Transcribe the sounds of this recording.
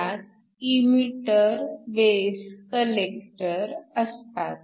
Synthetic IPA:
at̪̚ | imiʈəɾʋeskəlek̚ʈəɾəst̪at̪̚

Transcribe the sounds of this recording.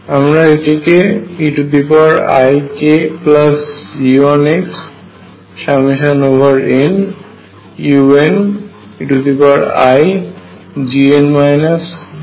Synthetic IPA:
amɾaeʈikeiʈud̪ipaɹa̰jkeplasioneks | ʃamiʃanobʱaɹen | juen | iʈud̪ipaɹa̰j | d͡ʒienmajnas

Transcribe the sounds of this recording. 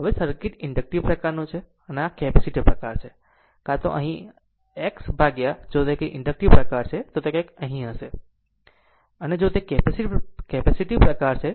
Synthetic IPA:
ʋesɐɾkɪʈɪ̃ɳɖək̚ʈiʋpɾɐkaːɾnũt͡ʃʰe | ɐnakeːpɛsɪʈipɾɐkaːɾt͡ʃʰe | kat̪o̰ʔɐ̰ɦĩ | eːksbʱaːɡjad͡ʒoːt̪ekeʔɪ̃ɳɖək̚ʈiʋpɾɐkaːɾt͡ʃʰet̪ot̪ekẽkɐɦĩɦəse | ɐned͡ʒoːt̪ekeːpesɪkeːpɛsɪʈipɾɐkaːɾt͡ʃʰe

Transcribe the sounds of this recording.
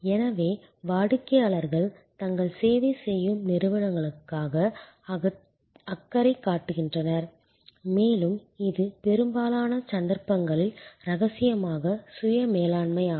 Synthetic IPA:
ɛnɐʋeː | ʋaːɽɯkːɐjaːɭɐɾɣɐɭ | t̪ɐŋɡɐɭseːʋisɛjːɯmnɪɾɯʋɐɽɐŋɡɐɭɯkːaːɣɐ | ɐkːɐɾɐɪkːaːʈːɯɣɪndrɐnɐɾ | meːlɯmɪðɯpɛɾɯmbaːlaːnɐt͡ʃɐnd̪ɐɾpːɐŋɡɐɭɪlɾɐɣɐsɪjɐmaːɣɐsʊjɐmeːlaːɳmɐɪjaː

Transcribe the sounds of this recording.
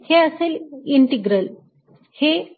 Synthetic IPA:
heəseliɳʈiɡɾəl | he

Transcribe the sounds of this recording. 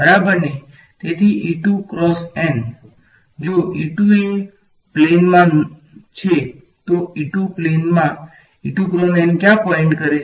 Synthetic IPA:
bəɾabəɾne | t̪et̪ʰiʔiʈukɾɔsen | d͡ʒoʔiʈuin | plenmã | t͡ʃʰe | t̪oiʈuplenmã | iʈukɾɔnenkjãpɔẽɳʈkəɾe

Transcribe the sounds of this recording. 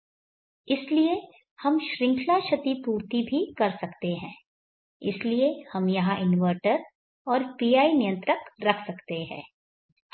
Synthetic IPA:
ɪslie | hɐmʃɾɪ̃ŋkʰlaʃɐt̪ipuːɾt̪ibʱikɐɾsɐkt̪eɦɛ̃ː | ɪsliehɐmjɐɦãʔɪnʋəɾʈəɾ | ɔːɾpiːaːinɪjə̃nt̪ɾəkɾɐkʰsɐkt̪eɦɛ̰̃ː

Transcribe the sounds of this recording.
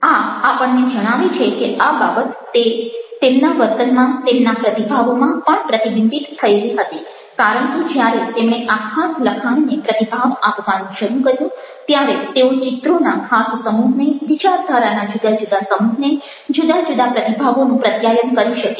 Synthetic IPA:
aapəɳned͡ʒəɽ̃aʋit͡ʃʰekeababət̪ː | et̪emnaʋəɾt̪ənmãt̪emnapɾət̪ibʱaʋomãpəɳpɾət̪ibɪnb̪it̪t̪ʰːəeliɦət̪i | kaɾəɳ̃ked͡ʒjaɾet̪emɽ̃eʔakʰasləkʰannepɾət̪ibʱaʋapʋanũʃəɾũkəɾjũ | t̪jaɾet̪eot͡ʃɪt̪ɾonakʰassəmuɦneʋit͡ʃaɾd̪ʱaɾanad͡ʒud̪əd͡ʒud̪asəmuɦne | d͡ʒud̪ad͡ʒud̪apɾət̪ibʱaʋonũpɾət̪jajənkəɾiʃək

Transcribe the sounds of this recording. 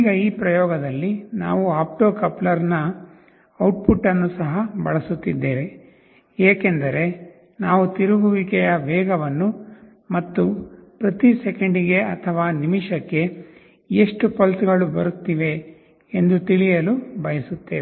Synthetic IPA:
iːɡɐiːpɾɐjɔːɡɐd̪ɐlːina̰ːʋuaːp̚ʈoːkɐplɐɾnɐ | ɐwʈ̚pʰuʈːɐnːusɐɦɐbɐ̰ɭɐsut̪ːid̪ːeːʋe | eːkend̪ɐɾe̞ | naːʋut̪iɾuɡuʋikɛjɐʋɛːɡɐʋɐnːu | mɐt̪ːupɾɐt̪isekɐɳɖiɡe̞ɐt̪ʰɐʋaːnimiʂɐkːe̞ | eʂʈupɐlsuɡɐɭubɐɾut̪ːiʋe̞ː | nd̪ut̪iɭijɐlubɐjɐsut̪ːeːʋ

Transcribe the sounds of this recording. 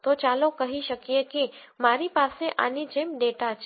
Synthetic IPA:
t̪ot͡ʃaːlokɐɦiʃɐkieki | maːɾipaːseʔa̰ːnid͡ʒeːmɖeːʈat͡ʃ

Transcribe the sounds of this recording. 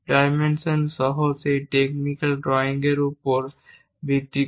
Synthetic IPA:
pɾaːmẽnsənsɔɦɔseʈeknikəlɖɾɔːɪ̃ŋɡeɾupɔɾ | bit̪ːi

